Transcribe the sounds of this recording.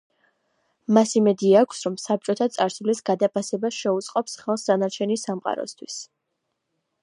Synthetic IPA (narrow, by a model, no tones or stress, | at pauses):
masimɛd̪iaːkʷʰsɾɔmsap̚t͡ʃʼɔt̪ʰat̪sʼaɾsulisɡad̪apʰasɛbasʃɛut̪sʼqʼɔpsχɛlˠsd̪anaɾt͡ʃʰɛnisamqʼa̰ɾɔ̰st̪ʰwis